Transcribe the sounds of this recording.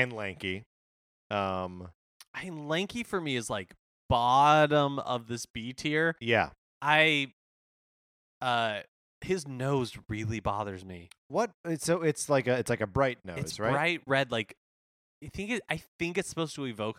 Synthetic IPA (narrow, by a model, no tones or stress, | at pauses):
ɨ̃nlæ̃ŋki | ʔʌ̃m | ʔæ̃nlæ̃ŋkifə˞miɨzlaɪk | b̥ɑɾə̃mʌ̰vðɪsb̥itʰiɹjæ̰ | ʔaɪ | ʌ | hɪznoʊzɹɪlˠibɑ̰ðə˞zmḭwʌt̚ɪtsoʊɪtslaɪkɨːtslaɪkɨbɹaɪtⁿnoɨsz̥ɹbaɪɹaɪt̚ɹɛdˡlaɪk | aɪθɪ̃ŋkɨɾaɪθɪ̃ŋkɨtspoʊsl̩ˠivoʊk